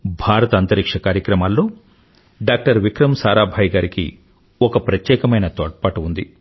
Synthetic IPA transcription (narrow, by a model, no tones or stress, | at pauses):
bʱaːɾɐt̪ɐɐnt̪ɐɾikʂɐkaːɾjɐkɾɐmaːlːo̞ː | ɖaːk̚ʈɐɾʋikɾɐmsaːɾaːbʱaːjɡaːɾikḭ | ɔkɐpɾɐt̪jɛːkɐmɐjnɐt̪oːʈ̚paːʈuund̪ḭ